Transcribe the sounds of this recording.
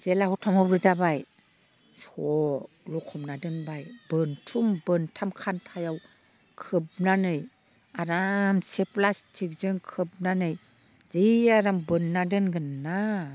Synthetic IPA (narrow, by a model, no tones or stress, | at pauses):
z̥elahɔtʰamhɔbɾɯzabaj | sɔ | lukʰɔmnadɯnbajbɯntʰumbɯntʰamkʰantʰajaw | kʰɯb̚nanɯj | aɾamseplastʰik̚zɯŋkʰɯb̚nanɯj | ziaɾambɯnːadɯnɡɯnːa